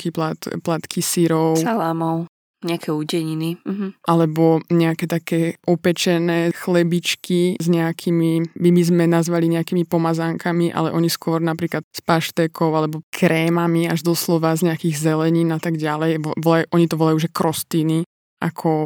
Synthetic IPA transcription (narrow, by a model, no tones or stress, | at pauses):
kilat̪plat̪kʰisiɾɔʊsalamɔʊ | ɲɛakʰɛuːɟɛɲinim̩ɦ̩ʔalɛbɔɲɛakɛt̪akɛːʔɔpɛt͡ʃɛnɛːxlɛbit͡ʃkizɲɛakʰimibibizmɛnazʋaliɲɛakimipɔmazaŋkʰamiʔa̰lɛ̰ʔɔɲiskʊɔɾnapɾiːklat̪̚spaʃt̪ɛkʰɔʊalɛbɔkʰɾɛːmamiaʒd̪ɔslɔʋazɲɛakiːɣzɛlɛɲiːnat̪aɡɟalɛjʋʋɔlajuʔɔɲit̪ɔʋɔlajuːʒɛkɾɔst̪iːni | ʔakʰɔ